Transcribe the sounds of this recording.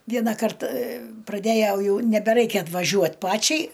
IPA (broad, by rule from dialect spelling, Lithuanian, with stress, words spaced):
ˈʋʲiɛnɐkɐrt prɐˈdʲæːjɛʊ ˈjɛʊ nʲɛbʲɛˈrɐɪkʲɛ ɐtʋɐˈʒʲuɔt ˈpɑːt͡ʃʲɛɪ